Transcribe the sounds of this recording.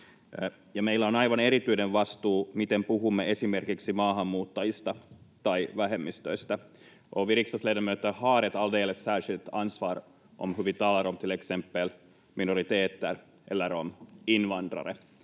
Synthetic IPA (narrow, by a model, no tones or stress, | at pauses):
jɑmeilːæonɑjʋɑneɾit̪yineʋʋɑst̪uːmit̪empuhumːeʔesimerkiksimɑːɦɑmːuːt̪ːɑjist̪ɑt̪ɑiʋæɦemːist̪øist̪ɑ | ʔoʋiɾiksɑsledæmøːt̪ːæhɑːɾet̪ɑld̪eːlessæːʂilt̪ɑnsʋɑːr | ʔo̰mhyʋit̪ɑlɑɾomt̪ileksempːel | minoɾit̪eːt̪ːær | ʔḛlːæɾominʋɑnd̪rɑ̰ɾḛ